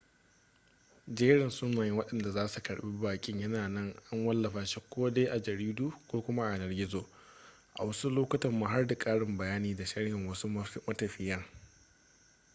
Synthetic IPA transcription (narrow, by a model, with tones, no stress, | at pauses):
d͡ʒeː˦ɽɪ˨nsʊ˦naː˨jɪ˦ŋwɐ˦ɗɐ˨nda˨zaː˦su˨kɐ˨ɽɓi˦baː˨kʲʼɪ˦ɲjɐ˦naː˨nɐ˦˨ŋʔa˦ŋwɐ˦lːɐ˨ɸaː˨ʃi˦kʷoː˦de˦ʔa˨d͡ʒɐ˨ɾiː˦duː˦kʷoː˦kʷʊ˦ma˦ʔa˨ʔa˨nɐ˨rɡʲɪ˦zoː˨ | ʔa̰˨wɐ˦su˦loː˦kɐ˦tɐ˨mːu˦ɦa˦rda˨kʼaː˦ɽɪ˨mbɐ˨jaː˦niː˦da˨ʃɐ˦ɽhɪ˨ŋwɐ˦su˦mɐ˦tɐ˨ɸɪ˨jɐ˦ŋ